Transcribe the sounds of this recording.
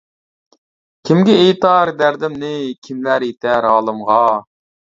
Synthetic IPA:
kʲʰimɡʲɛejt̪ɑɾd̪æɾd̪ɪmnɪkʲʰimlæɾet̪ʰɛɾɑːlˠɨmʁɑ

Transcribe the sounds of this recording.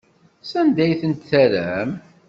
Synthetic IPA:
sænd̪æjθənt̪θæɾæm

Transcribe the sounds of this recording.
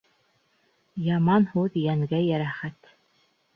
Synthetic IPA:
jɑmɑnhuðjæŋɡæjæɾæχæt̪

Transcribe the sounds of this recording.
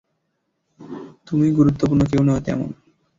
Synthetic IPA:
t̪umiɡuɾut̪ːopuɾnok̬ewnɔat̪ɛ̰mo̰n

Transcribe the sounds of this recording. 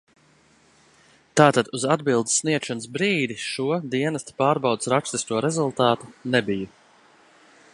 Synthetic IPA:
t̪aːt̪ad̪uzad̪bilˠd̪sːniɛt̪ʃɔnsbɾiːd̪iʃuɔd̪iɛnast̪ḁpaːɾbawd̪sɾakst̪ist̪uɔɾɛzulˠt̪aːt̪u̥nɛbiju

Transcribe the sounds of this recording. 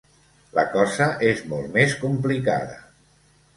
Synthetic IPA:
lə̰kɔzəʔezmɔlˠmeskumplika̰ðə̰

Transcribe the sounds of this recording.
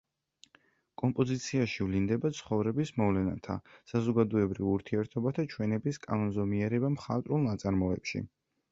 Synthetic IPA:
kʼɔmpʼɔzit̪sʰiaʃivlind̪ɛbat̪sʰχɔvɾɛbismɔvlɛna̰t̪ʰa̰sazɔɡad̪ɔɛbɾivuɾt̪ʰiɛɾt̪ʰɔbat̪ʰat͡ʃʰwɛnɛbiskʼanɔnzɔmiɛɾɛbamχa̰t̪ʼɾulˠnat̪sʼaɾmɔɛ̰pʃḭ

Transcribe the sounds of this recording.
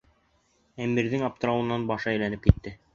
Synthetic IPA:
æmiɾðɘŋɑp̚t̪ɤ̆ɾɑwɤ̆nːɑnbɑʃɤæjlænɘp̚kit̪ːɘ

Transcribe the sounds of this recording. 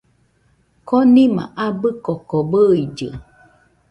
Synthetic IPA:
konĩmã̰ʔabɨkɔkobɨid͡ʒɨ̰

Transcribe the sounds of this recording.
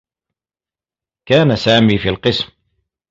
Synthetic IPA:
kaːnasaːmiːfiːlqɨsm

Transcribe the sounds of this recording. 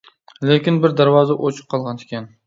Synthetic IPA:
lekʲɪnbɪɾd̪aɾvɒzaʔot͡ʃʰɨ̥q̚qʰːɒlˠʁɑnekʲan

